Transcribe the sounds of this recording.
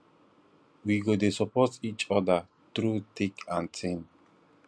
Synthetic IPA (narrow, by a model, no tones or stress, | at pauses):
wiɡod̪esɔpʰɔzit͡ʃɔd̪ə | t̪ɾut̪ʰɪkʰãnsɪ̃n